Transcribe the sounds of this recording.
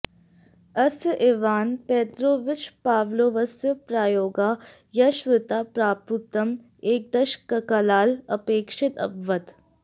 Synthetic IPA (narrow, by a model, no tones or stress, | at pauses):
ɐsʔeːʋaːnpɛːt̪ɾoːʋɪt͡ʃpaːʋloːʋɐsjəpɾaːjoːɡaː | jɐʃʋɪt̪aːpɾaːput̪ːɐm | eːk̚d̪ɐʃkːɐkɐlaːlɐpeːkʃɪt̪ɐ̰bʋɐt̪